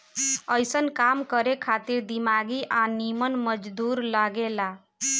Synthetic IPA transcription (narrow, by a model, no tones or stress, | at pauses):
əjsənkamkəɾekʰat̪iɾd̪imaɡiʔanimənməd͡ʒd̪uɾlaɡela